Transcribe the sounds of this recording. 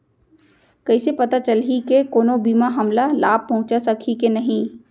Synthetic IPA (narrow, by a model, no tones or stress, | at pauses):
kɐisepɐt̪at͡ʃəlɦikekoːnobiːmaɦɐmlalaːb̚pɐɦʊ̃t͡ʃasɐkʰikenɐɦĩː